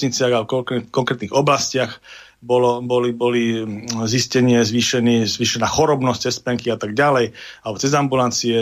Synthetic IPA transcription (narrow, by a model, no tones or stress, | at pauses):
ɲit͡sɪaɣaɔkkɔŋkɾɛːt̪niɣɔblascɪax | bɔlɔbɔlibɔliziscɛɲɪɛzʋiːʃɛnizʋiːʃɛnaːxɔɾɔbnɔst͡sɛspɛŋkiat̪aɡɟalɛjalɛbɔt͡sɛzambulant͡siɛ